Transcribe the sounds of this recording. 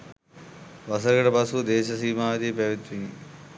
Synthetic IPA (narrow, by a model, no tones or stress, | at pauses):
ʋɐs̬ɐɾɡɐʈɐbɐskud̪eːʃɐsiːmaːʋɐt̪ipeʋit̪ʋiŋi